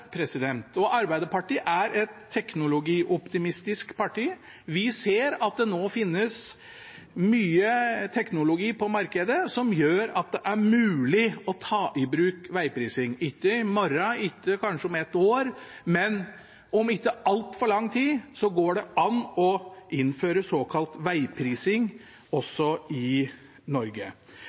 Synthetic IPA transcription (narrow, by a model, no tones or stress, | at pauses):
pʰɾɛsɪd̪ɛnt̪ɔʔɑɾbæɪd̪əpɑʈiːʔæɾɛt̪ʰːɛknʊlʊɡiːʔɔpt̪ɪmɪst̪ɪskpʰɑʈiː | ʋɪseːɾɑt̪̚d̪ɛnoːfɪnːəs | myːət̪ʰɛknʊlʊɡiːpʰɔmɑɾkəd̪əsɔmjøːɾɑt̪̚d̪ɛʔæɾmʉːlɪɔt̪ʰɑːʔɪbɾʉːkʋæɪpʰɾiːsɪŋɪt̪ːəmɔɾɑɪt̪ʰːəkʰɑnʂəɔmɛt̪ːoːɾmɛn | ɔmɪt̪ːəɑlt̪fɔɭɑŋːt̪ʰiːsɔɡoːɖɛʔɑnɔʔɪnføːɾəsoːkʰɑlt̪ʋæɪpʰɾiːsɪŋ | ɔsːɔɪ | nɔɾɡə̰